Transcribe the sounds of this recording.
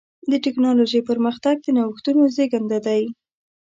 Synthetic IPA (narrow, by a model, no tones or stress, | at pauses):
d̪əʈɪknɑloʒəjpəɾməxt̪aɡ̚d̪ənawəxt̪unozeɡand̪ad̪aj